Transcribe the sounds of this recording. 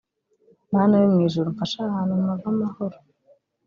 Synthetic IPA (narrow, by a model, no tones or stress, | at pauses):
maːnajomŋiːʒuɾumfaʃahaːnhummavamahoɾo̥